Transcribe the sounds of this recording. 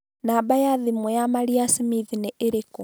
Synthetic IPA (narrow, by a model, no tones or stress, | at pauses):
naːbajaðimwɔjamaɾiasimiðinɛʔeɾekɔ